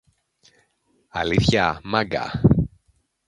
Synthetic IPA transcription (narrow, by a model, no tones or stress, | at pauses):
ɐliθçɐmɐɡɐ̰